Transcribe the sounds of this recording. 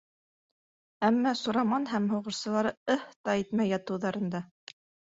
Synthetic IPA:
æmːæsuɾɑmɑnɦæmɦŭʁɤ̆ʃsɤ̆lˠɑɾɤɤht̪ɑit̪mæjɑt̪ɤ̆wðɑɾɤ̆nd̪ɑ

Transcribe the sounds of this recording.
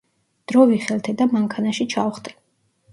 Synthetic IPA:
d̪̥ɾɔviχɛlt̪ʰɛd̪amaŋkʰanaʃit͡ʃʰauχt̪ʰɛ̥

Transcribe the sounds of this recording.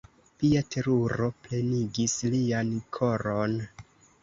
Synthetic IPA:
piatʰe̞ɾuɾo̞ple̞niɡisliankʰo̞ɾo̞n

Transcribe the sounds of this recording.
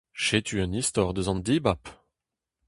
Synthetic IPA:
ʃet̪ʰyɛ̃nist̪ɔʁd̪əzɑ̃nd̪ibap

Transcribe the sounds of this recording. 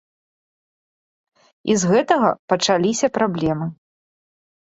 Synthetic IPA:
izɣɛt̪ɐɣɐpɐt͡ʂalʲisʲɐpɾablʲɛmɨ

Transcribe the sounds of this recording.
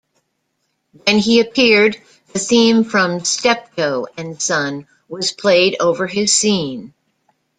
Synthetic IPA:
wɨ̃niɨp̚ʰɪɹd̪̚ | ðɨθĩɱfɹʌ̃mstɛp̚tʰoʊɨ̃nsʌ̃n | wʌz̥pʰl̥eɪɾoʊvə˞ɪz̥sĩn

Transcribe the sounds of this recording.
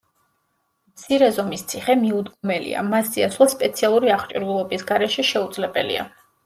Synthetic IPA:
mt̪sʰiɾɛzɔmist̪sʰiχɛmiud̪ɡɔmɛlḭa̰masziasʰlˠaspʼɛt̪sʰialˠuɾiaχt͡ʃʼiɾvulˠɔbisɡaɾɛʃɛʃɛud̪zlɛbɛlḭa̰

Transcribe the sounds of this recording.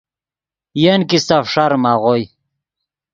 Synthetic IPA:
jenkist̪afʂaɾmaʁoj

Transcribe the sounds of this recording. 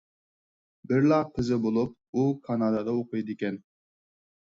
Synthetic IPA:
bɪɾlɑpʰɪzɪbolˠup̚ | ukʰɑnɑːd̪ɑd̪ɑoqɨjd̪ɪkʲɛn

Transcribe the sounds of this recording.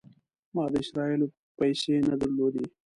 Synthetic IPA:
mɑːd̪əɪʃɾɑɪlo | pajʃenad̪əɾlod̪e

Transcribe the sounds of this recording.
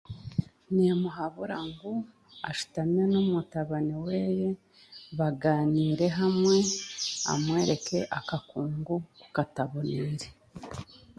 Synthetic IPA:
nimuɦaβuɾaŋɡu | a̰ʃu̥tamɲenumutaβaniweje̞ | βaɡaːniːɾe̞ɦamŋe̞a̰mwe̞ːɾe̞kʰe̞ʔakakuːŋɡuku̥kataβoniɾe

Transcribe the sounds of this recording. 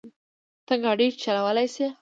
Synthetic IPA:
t̪əŋɡɑɽit͡ʃalawəlajse

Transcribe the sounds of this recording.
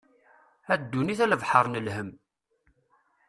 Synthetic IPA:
æd̪ːuniθæləvħəɾˤnəlhəm

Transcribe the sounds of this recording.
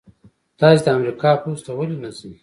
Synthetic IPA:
t̪ɑːsid̪əamɾikɑːpust̪awəlinazi

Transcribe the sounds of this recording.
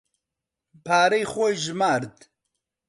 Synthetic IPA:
pʰaːɾejxʷojʒmaːɾd̪

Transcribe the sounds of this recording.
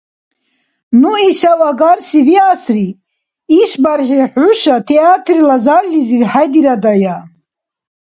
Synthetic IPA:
nuiʃawaɡaɾsiviasri | iʃbaɾħiħuʃat̪ʰɛat̪ʰɾilazaɾliziɾħajd̪iɾad̪aja

